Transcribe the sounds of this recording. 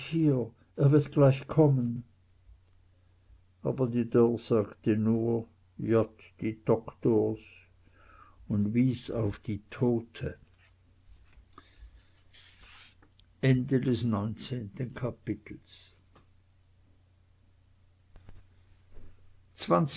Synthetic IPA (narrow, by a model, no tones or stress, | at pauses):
hiːɐ | ʔeːɐvɪɐtɡ̥laɪçkʰɔmən | ʔa̰ːbɐdiːdɔʁz̥aːɡtənuːɐ | jɔt | d̥iːd̥ɔktoːɐs | ʊndviːsa̰ʊfd̥iːtʰoːtʰə | ʔɛndədɛsnɔʏnt͡seːntənkʰapɪtʰl̩s | t͡sv̥ant͡s